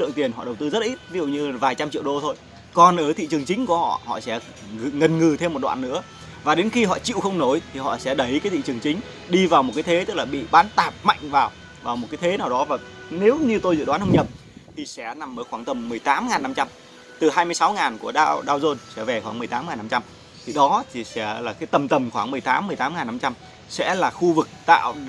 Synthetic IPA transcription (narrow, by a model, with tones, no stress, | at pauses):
lɨ̰˧˨ŋt̪i˨˩ənhɔ̰˧˨ɗə˨˩wt̪ɨ˧zə˦˥t̚ʔi˦˥t̚vi˦zṵ˧˨ɲɨ˧˨˩vaː˨˩jt͡ɕa˧mt͡ɕḭ˧˨əwɗo˧t̪ʰo˧j | kɔ˨˩nʔəː˧˩t̪ʰḭ˧˨t͡ɕɨ˨˩əŋt͡ɕï˨˦ŋku˧˩əhɔ̰˧˨hɔ̰˧˨sɛ̰˧˥˧ | ŋə˨˩nŋɨ˨˩t̪ʰe˧m̚ː˨˩ɗwa̰ː˧˨nːɨ̰˧˥ə | vaː˨˩ɗe˨˦nxi˧ɦɔ̰˧˨t͡ɕḭ˧˨wxə˧wŋ͡mno˨˦jt̪ʰi˨˩hɔ̰˧˨sɛ̰˧˥ɗə˨˦jkaː˨˦jt̪ʰḭ˧˨t͡ɕɨ˨˩ŋt͡ɕï˨˦ŋ̟ | ɗi˧vaː˨˩wmo˨˩kːaː˨˦jt̪ʰe˨˦t̪ɨ˦˥k̚laː˨˩ɓḭ˧˨ɓaː˨˦nt̪aː˨˩p̚ma̰˧˨jŋ̟vaː˨˩w | vaː˨˩wmo˨˩kaː˨˦jt̪ʰe˨˦naː˨˩wɗɔ˨˦vaː˨˩ne˨˦wɲɨ˧t̪o˧jzɨ̰˧˨ɗwaː˨˦nhə˧wŋ͡mɲə˨˩p̚ | t̪ʰi˨˩sɛ̰˧˥na˨˩mʔəː˨˦jxwaː˧˩ŋt̪ə˨˩mːɨ˨˩əjt̪aː˨˦mŋaː˨˩nːa˧mt͡ɕa˧m | t̪ɨ˨˩haː˧jmɨ˧əjsa˨˦wŋaː˨˩nku˧˩əɗaː˧ɗaː˧wzo˧nsɛ̰˧˥ve˨˩xwaː˧˩ŋm˨˩əjt̪aː˨˦mŋaː˨˩na˧mt͡ɕa˧m | t̪ʰi˨˩ɗɔ˨˦t̪ʰi˨˩sɛ̰˧˥laː˨˩kaː˨˦jt̪ə˨˩mt̪ə˨˩mxwaː˧˩ŋm˨˩əjt̪aː˨˦mːɨ˨˩əjt̪aː˨˦mŋaː˨˩na˧mt͡ɕa˧m | sɛ̰˧˥laː˨˩xu˧vɨ˨˩k̚t̪a̰ː˧˨